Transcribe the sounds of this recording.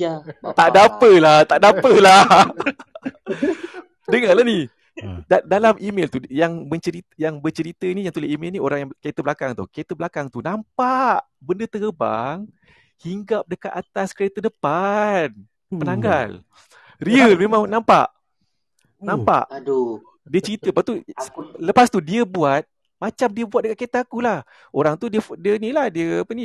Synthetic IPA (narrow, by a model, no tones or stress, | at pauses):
t̪aʔdapəlaht̪aʔdapəla | dəŋalani | dadalamʔimelt̪ujaŋməɲt͡ʃəɾit̪jaŋbət͡ʃəɾit̪əinijaŋt̪uleʔimelnioɾaŋjakaet̪əbəlakaŋt̪ṵhkaet̪əbəlakaŋt̪unampaʔ | bəndət̪əɡəba̰ŋ | hiŋɡap̚dəkat̪̚at̪askəɾet̪ədəpan | pənaŋɡal | riəlmẽmãŋnãmpa̰ʔ | nãmpa̰ʔ | diət͡ʃəɾit̪əpat̪uləpast̪udiəbuat̪̚ | mãt͡ʃamdiəbuat̪̚dəkat̪̚ket̪aakulah | oɾaŋt̪udiəfdiənilahdiəapəni